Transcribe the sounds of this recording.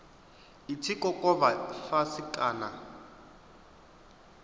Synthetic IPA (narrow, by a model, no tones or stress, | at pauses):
itʰikɔkʼɔβafasikʼaːna